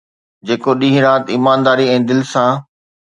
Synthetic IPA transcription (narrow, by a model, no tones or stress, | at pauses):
d͡ʑeːkoɗĩːɦɪ̃ɾaːt̪iːmaːnd̪aːɾiɛ̃ːd̪ɪlɪsãː